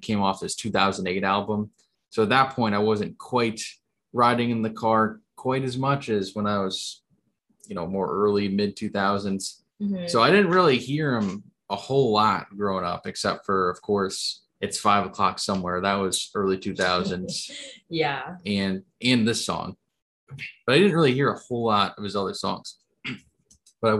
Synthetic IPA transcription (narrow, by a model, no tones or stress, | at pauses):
kʰẽɪ̃mɔfɨz̥tʰʉθaʊz̃n̩deɪɾælˠbə̃m | soʊət̪̚ðət̚pʰɔ̃ɪ̃ntaɪwʌzɨ̃nkʰw̥aɪt̚ | ɹaɪɾɪ̃ŋɨ̃nðɨkʰɑɹkʰw̥aɪɾɨzmʌt͡ʃɨzwə̃naɪwʌz̥ | jɨnoʊmɔɹʔɜ˞lˠimɪd̚tʰʉθaʊzɨ̃ndz̥ | soʊaɪɾɪdⁿn̩t̚ɹɪlˠihiɹɪ̃m | əhoʊlɑt̚ɡ̥ɹoʊɪ̃ŋʌ̰pɨksɛp̚tfə˞ʌv̥kʰɔɹs | ɨtsfaɪvəkʰl̥ɑ̰ksʌ̃mwɛɹðət̚wʌz̥ɜ˞lˠitʰʉθaʊzɨ̃ndz̥jæɨ̃n | ɨ̃nðɪsɔ̰̃ŋ | b̥ʌɾaɪɾɪdⁿn̩t̚ɹɪlˠihiɹəhoʊlɑɾʌv̥ɨzʌðə˞sɔ̰̃ŋz̥ | b̥ʌɾaɪ